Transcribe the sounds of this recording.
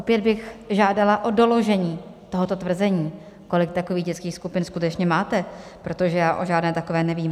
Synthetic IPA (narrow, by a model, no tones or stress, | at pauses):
ʔopjɛd̪̚bɪxʒaːdalaʔo̞do̞lo̞ʒɛɲiːt̪o̞ɦo̞t̪o̞t̪vr̩zɛɲiː | ko̞lɪk̚t̪akoviːɣɟɛt͡skiːxskupɪnskut̪ɛt͡ʃɲɛmaːt̪ɛpɾo̞t̪o̞ʒɛjaːʔoʒaːdnɛːt̪akovɛːnɛviːm